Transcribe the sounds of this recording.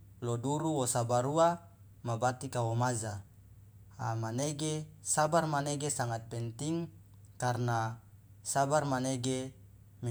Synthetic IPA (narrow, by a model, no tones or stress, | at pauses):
loduɾuwosabaɾua | mabat̪ikawomaza | amaneɡesabarmaneɡesaŋat̪̚pɛnt̪iŋ | karna | sabarmaneɡe | mi